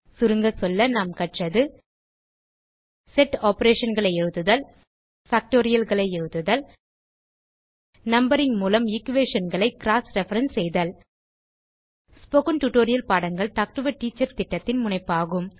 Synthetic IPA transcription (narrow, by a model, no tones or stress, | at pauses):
sʊɾɯŋɡɐsɔlːɐnaːmkɐʈrɐðɯ | sɛʈːaːpɐɾeːʂɐnɡɐɭɐɪɛɻɯðɯðɐl | faːk̚ʈoːɾɪjɐlɣɐɭɐɪɛɻɯðɯðɐl | nɐmbɐɾɪŋmuːlɐmɪkːʋeːʂɐnɡɐɭɐɪkɪɾaːsɾɛfɐɾɐnsɛjðɐl | spɔɣɐnʈuʈːoːɾɪjɐlpaːɽɐŋɡɐɭʈaːk̚ʈɯʋɐʈːiːt͡ʃːɐɾt̪ɪʈːɐt̪ːɪnmʊɳɐɪpːaːɣɯm